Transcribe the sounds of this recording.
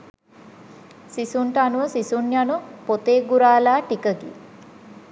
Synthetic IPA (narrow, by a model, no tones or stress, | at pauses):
sisuɳʈanuʋəsisunjanupot̪eːɡuɾaːlaːʈikəɡḭ